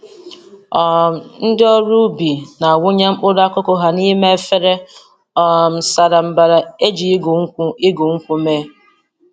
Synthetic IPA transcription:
ɔ˨m̩˨n̩˦dɪ˦ɔ˦ɾu˦bi˨na˨wʊ˦ɲe˦m̩˦k͡pʊ˦da˦kʊ˦ko˨ɦa˨ni˦me˦fe˦ɾe˦ | ɔ˨m̩˨sa˨ɾa˨m̩˨ba˨ɾa˨e˦d͡ʒi˨˦ɡi˦ɡu˨ŋ̩˦kʷu˦me˦

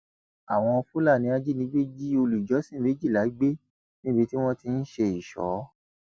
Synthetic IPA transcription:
a˨w̃ɔ̃˧ɔ˧fu˦la˦˨nĩ˧˦a˧d͡ʒi˦nĩ˨˦ɡ͡be˦d͡ʒi˦o˧lu˨d͡ʒɔ˨˦sĩ˦˨˦e˨˦d͡ʒi˦˨la˨˦ɡ͡be˦ | nĩ˦bi˧ti˦w̃ɔ̃˦ti˧n̩˦ʃe˧i˨ʃɔ̰˨˦

